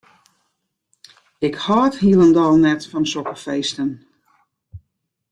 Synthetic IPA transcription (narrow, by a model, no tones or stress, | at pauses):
ɪkhɔːthiəlˠəndɔlˠnɛtfɔnsɔkəfeːstən